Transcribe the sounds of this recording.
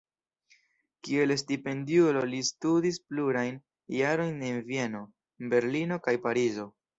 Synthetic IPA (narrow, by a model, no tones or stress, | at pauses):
kie̞lestipe̞ndiulo̞listudispluɾajn | jaɾo̞jnenvie̞no̞ | be̞ɾlino̞kajpaɾizo̞